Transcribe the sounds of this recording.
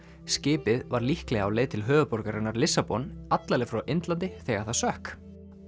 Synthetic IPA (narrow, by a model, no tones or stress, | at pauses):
scɪːpɪðvaɾlihklɛɣawleːjðt̪ʰɪlɦœːvʏpɔɾkaɾɪnːaɾlɪsːapɔnat̪lalɛfɾawʔɪnt̪lant̪ɪθɛɣaɾ̥θaðsœhk